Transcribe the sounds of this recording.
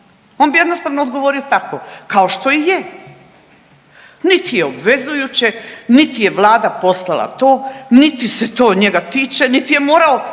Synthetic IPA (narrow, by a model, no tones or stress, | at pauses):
oːnbijed̪nost̪aʋnoːd̪ɡo̞ʋoɾiot̪akokao̞ʃt̪o̞ije | nit̪ijeobʋe̞zujut͡ɕenit̪ije̞ʋlˠaːd̪apo̞slˠalˠa̰t̪o̞ːnit̪ise̞t̪o̞ːɲe̞ɡat̪iːt͡ʃe̞nit̪ije̞mo̞ːɾao